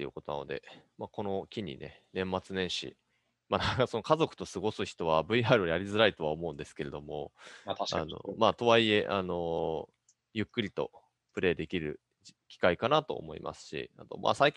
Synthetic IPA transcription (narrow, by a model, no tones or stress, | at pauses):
eiɯ̟̰ko̞t̪o̞na̰nod̪e̞̰ | mako̞no̞kʲiɲ̟ḭne̞̰ | nẽ̞mːat͡sɨnẽ̞ɰ̃ɕḭ | manakaso̞no̞kazo̞kɯ̟̥t̪o̞sɨɡo̞sɨçi̥t̪o̞βabɯ̟iaːɾɯ̟ojaɾʲizɨɾait̪o̞βaomo̞ɯ̟̃nd̪e̞sɨ̥ke̞ɾe̞d̪o̞mo̞ | a̰no̞̰maːt̪o̞βaie̞ʔano̞ | jɯ̟kːɯ̟ɾʲit̪o̞̰ | pɯ̟ɾe̞ːd̪e̞kʲiɾɯ̟ | kʲi̥kaikanat̪o̞̰ːmo̞ḭmʔa̰sɨ̥ɕḭa̰t̪o̞̰mʔa̰saikʲ